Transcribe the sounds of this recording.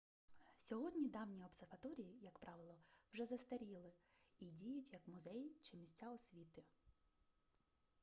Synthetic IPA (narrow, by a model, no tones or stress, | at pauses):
sʲɔɦɔdʲnʲid̪ɑwnʲiɔbserʋɐt̪ɔɾʲijijɐkpɾɑʋɪlˠɔwʒɛzɐst̪ɐɾʲilˠɪidʲijʊtʲjɐkmʊzɛjt͡ʃɪmʲisʲt͡sʲaɔsʲʋʲit̪ɪ